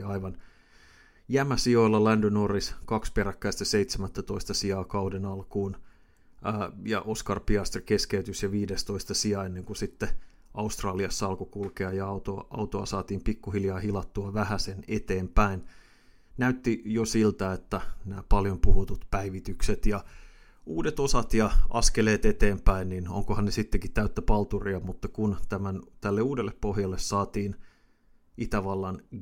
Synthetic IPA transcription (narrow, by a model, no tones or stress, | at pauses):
ɑiʋɑn | jæmæsioilːɑlændønoriskɑkspeɾækːæist̪æseit̪semæt̪ːæt̪o̞ist̪ɑsiɑːkɑudenɑlkuːnː | jɑ̰ʔoskɑrpiɑst̪rike̞skeyt̪ysjɑʋiːdest̪o̞ist̪ɑsiɑenːeŋkusit̪ːe | ʔɑust̪rɑːliɑsːɑɑlkokulkeɑjɑɑt̪oʔɑ̰ut̪oɑsɑːt̪iːmpikːuhiljɑːhilɑt̪ːuɑʋæhæsenet̪eːmpæin | næyt̪ːijosilt̪æet̪ːænæːpɑljompuhut̪ut̪pæiʋit̪ykset̪jɑ | uːdet̪osɑt̪jɑɑ̰skeleːt̪et̪eːmpæinnino̰ŋkohɑnnesit̪ːekit̪t̪æyt̪ːæpɑlt̪uriɑmut̪ːɑkunt̪æmænt̪ælːeuːdelːeppohjɑlːessɑːt̪iːn | it̪æʋɑlːɑn